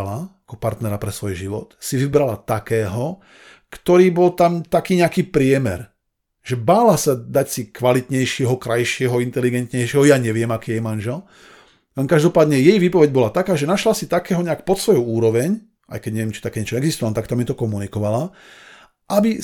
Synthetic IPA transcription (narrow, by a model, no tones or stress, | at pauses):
laakɔpaɾt̪nɛɾapɾɛsʋɔjʒiʋɔ̰t̪siʋibɾalat̪akɛːɦɔ | kt̪ɔɾiːbɔlt̪amt̪akiːɲɛakiːpɾɪɛmɛ̰ɾ | ʒ̥ɛbaːlasad̪acsikʋalit̪ɲɛjʃɪɛɦɔkɾajʃɪɛɦɔint̪ɛliɡɛnt̪ɲɛjʃɪɛɦɔjaɲɛʋɪɛmakiːjɛjmanʒɛl | lɛnkaʒd̪ɔpaːd̪ɲɛjɛjʋiːpɔʋɛɟ̚bɔlat̪akaːʒɛnaʃlasit̪akɛːɦɔɲɛakpɔt̪sʋɔjuuːɾɔʋɛɲ | ʔa̰jkɛɟɲɛʋɪɛmt͡ʃi̥t̪akɛːɲɛt͡ʃɔɛɡzist̪ʋalnt̪akt̪amit̪ɔkɔmunikɔʋala | ʔabi